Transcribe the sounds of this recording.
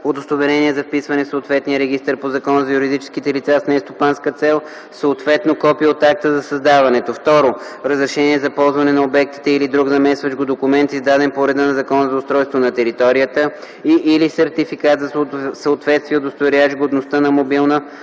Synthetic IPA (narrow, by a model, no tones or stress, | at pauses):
od̪ost̪ovɛɾɛniɛzɐfpisvɐnɛsot̪vɛt̪nijəɾɛɡ̟ist̪əɾpozɐkɔnəzɐjuɾid̪it͡ʃɛ̥skit̪ɛlit̪sasnɛst̪opanskət̪sɛlˠ | səːt̪vɛt̪nokɔpiot̪ak̚t̪əzɐsɐzd̪avɐnɛt̪oft̪ɔɾoɾəzɾɛʃɛniɛzɐpɔlˠzvɐnɛnɐobɛk̚t̪i̥t̪ɛilid̪ɾuɡzɐmɛsvɐt͡ʃɡod̪okʊmɛnt̪izd̪ad̪ɛnpoɾɛd̪ənɐzɐkɔnəzɐʊst̪ɾɔjst̪vonɐt̪ɛɾit̪ɔɾijət̪ə | iʔːlisɛɾt̪ifikat̪zɐsəot̪vɛt̪st̪vijɛod̪ost̪ovɛɾʲat͡ʃɡod̪nost̪ənɐmobilˠnə